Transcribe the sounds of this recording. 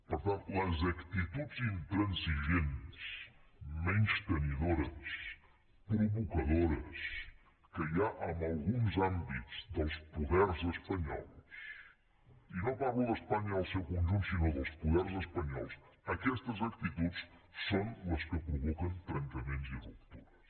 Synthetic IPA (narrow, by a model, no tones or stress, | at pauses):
poɾt̪ãnt̪uɐzɐkt̪it̪ud̪zĩnt̪ɾɐ̃nsiʒẽnt̪ʃmẽnʃt̪ɐniðoɾɐs | pɾuβukɐðoɾɐs | kɐʎaʔamalˠɣũŋzãmbit̪uz̥d̪ɐlˠspuðɛɾzəspɐɲɔ̰lˠs | inõpaɣuðəspaɲɐːlˠsewkunʒũnt̪sinoðəlˠspuðɛɾzəspɐɲɔ̰lˠs | əkɛst̪əzək̚t̪it̪uts | sonləskəpɾuβɔkənt̪ɾɐnk̪əmẽnziəɾup̚t̪uɾɐ